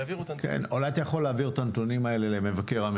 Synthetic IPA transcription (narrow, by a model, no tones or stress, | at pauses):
kḛnolajat̪ajaχolːeːviʁet̪ant̪onimae̞le̞leme̞vake̞ʁam